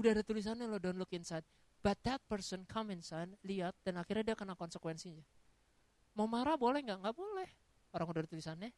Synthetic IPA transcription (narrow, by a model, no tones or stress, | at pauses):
udahadat̪ulis̬anɛlodɔnlʊkinsajt̪̚ | b̥at̪̚d̪at̪̚pərsənkʰamɛnsajnliat̪̚danaxirɲadiakənakɔnsəkwɛnsiɲd͡ʒa | mamaɾabolɛhŋɡaʔŋɡaʔbolɛh | oɾaŋudadat̪ulisanɛ